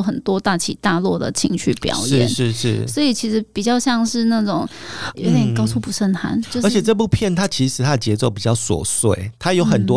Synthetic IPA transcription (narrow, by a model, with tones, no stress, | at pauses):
ʊxə˨˩nt̪wɔ˥t̪a˥˩t͡ɕʰi˨˩t̪a˥˧lwɔ˥˩d̪ə̰˩t͡ɕʰḭ˧˥ŋɕʰy̰˥˩pjɑ̰˨˩ʊʂj̩̰˥˧˦nʂɻ̩˥˧ʂɻ̩˥˩swɔ˧˥i˨˩t͡ɕʰi˧˥ʂɻ̩˧˥pi˨˩t͡ɕjɑ˥˧ʊɕjɑ˥˧ŋʂɻ̩˥˧na˥˩ʈ͡ʂʊ˨˩˦ŋjʔo̰˧˥ʊt̪jɛ˨˩nkɑ˥ʊt͡sʰu˥˩pu˧˥ʂə˥˩nxʰa̰˧˥nt͡ɕjo˥˧ə˧˦t͡ɕʰjɛ˨˩ʈ͡ʂɤ˥˧p̬u˥˧pʰjɛ˥˨nt̪ʰa˥t͡ɕʰi˧˥ʂɻ̩˧˥t̪ʰa˦˥ə˨t͡ɕjɛ˧˥t͡so˥˩ʊpi˨˩t͡ɕjɑ˥˩ʊswɔ̰˨˩swe˥˩ɪt̪ʰa˥jo˧˥ʊxə˨nt̪wɔ˥